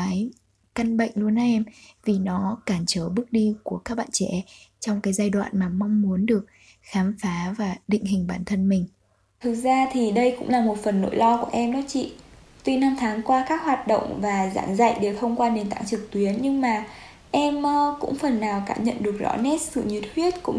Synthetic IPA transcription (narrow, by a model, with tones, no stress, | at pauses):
aː˨˦j | ka˧nɓə̰˧˨jŋ̟lu˧əna˨˦ʔɛ˧mvi˨˩nɔ˨˦kaː˧˩mt͡ɕəː˨˦ɓɨ˦˥ək̚ɗi˧ku˧˩əkaː˦˥k̚ɓa̰ː˧˨nt͡ɕɛ̰˧˥t͡ɕɔ˧wŋ͡mkaː˨˦jzaː˧jɗwa̰ː˧˨nmaː˨˩ma˧wŋ͡mmu˨˦ənɗɨ˨˩ək̚ | xaː˨˦mfaː˨˦vaː˨˩ɗḭ̈˧˨ŋ̟ɦï˨˩ŋ̟ɓaː˧˩nt̪ʰə˧nmï˨˩ŋ̟ | t̪ʰɨ˨˩k̚zaː˧t̪ʰi˨˩ɗə˧jkʊ̰˧˥ŋ͡mlaː˨˩mo˨˩t̚fə˨˩nːo̰˧˥˦jlɔ˧ku˧˩əʔɛ˧mnɔ˨˦t͡ɕḭ˧˨ | t̪wi˧na˧mt̪ʰaː˨˦ŋkwaː˧kaː˦˥k̚hwaː˨˩t̚ɗə̰˧˨wŋ͡mvaː˨˩za̰ː˧˥ŋza̰˧˨jɗe˨˩wt̪ʰə˧wŋ͡mkwaː˧ɗe˨˩nt̪a̰ː˧˨ŋt͡ɕɨ˨˩k̚t̪wi˨˦ənɲɨ˧ŋmaː˨˩ | ʔɛ˧m˧kʊ̰˧˥ŋ͡mfə˨˩nːaː˨˩wkaː˧˩mɲə̰˧˨nɗɨ˨˩ək̚zɔ̰˨˦nɛ˦˥t̚sɨ̰˧˨ɲi˨˩t̚ʰwi˦˥ət̚kʊ̰˧˥ŋ͡m